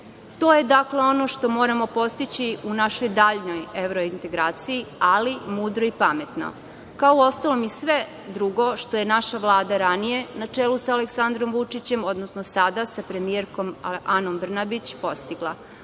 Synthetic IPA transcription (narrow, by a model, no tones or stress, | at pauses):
t̪o̞ːje̞d̪akle̞o̞no̞ʃt̪o̞mo̞ːɾamo̞po̞st̪it͡ɕiunaʃo̞jd̪aːʎno̞je̞ʋɾo̞int̪e̞ɡɾaːt̪sijialimuːd̪ɾo̞ipamet̪no̰ | kaouo̞st̪alomisʋe̞ | d̪ɾuɡo̞ʃt̪o̞je̞naʃaʋlˠaːd̪aɾanije̞nat͡ʂelˠusaːleksand̪ɾo̞mʋut͡ʂit͡ɕe̞mo̞d̪nosnosad̪asapɾe̞mijeɾko̞mano̞mbr̩nabit͡ɕpo̞st̪iɡlˠa